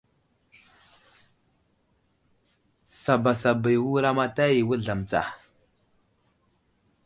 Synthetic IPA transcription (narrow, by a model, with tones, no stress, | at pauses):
sa˨ba˨sa˨ba˨jwu˦ɾa˦ma˦ta˦ji˨wu˦ɮa˨m˨t͡sa̰˨